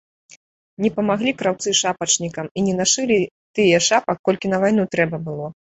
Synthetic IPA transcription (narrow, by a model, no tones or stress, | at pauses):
nʲɛpɐmaɣlʲikɾawt̪sɨʂapɐt͡ʂnʲikɐminʲɛnaʂɨlʲi | t̪ɨjɛʂapɐkːɔlʲkʲinɐvajnut̪ɾɛbɐbɨlˠɔ